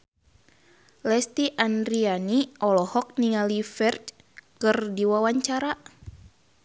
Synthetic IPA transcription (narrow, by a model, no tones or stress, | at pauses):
lɛst̪iʔandɾianiɔlɔhɔk̚niŋalifɛrt͡ʃ | kɨrdiwawaɲt͡ʃaɾa